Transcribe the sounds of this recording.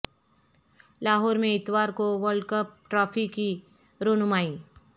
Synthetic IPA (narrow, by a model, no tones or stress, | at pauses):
laːɦɔːɾmẽɪt̪ʋaːɾkoʋəlɖkəp̚ʈɾaːpʰiki | ɾonʊmaːi